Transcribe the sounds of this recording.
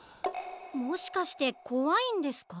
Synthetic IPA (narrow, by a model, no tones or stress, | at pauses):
mo̞ɕi̥kaɕi̥t̪e̞ko̞βaĩnd̪e̞sɨ̥ka